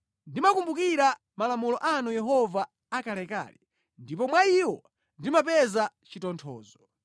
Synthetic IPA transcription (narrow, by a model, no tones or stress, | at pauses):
ndimakumbukiɾa | malamulɔʔanujɛɦɔvaː | kalɛka̰ːlɛ̰ | ndip̬ɔmwaiwɔ | ndimapɛzat͡ʃitɔntʰɔ̰ːzɔ